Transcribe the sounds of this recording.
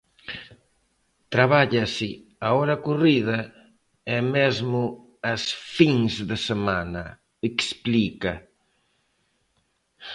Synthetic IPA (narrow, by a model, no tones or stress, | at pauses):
t̪ɾaβaʎɐsɪ | aɔɾɐkuriðɐ | ɛmezmʊ | ɐsfiŋzðɪsemanɐ | eksplikɐ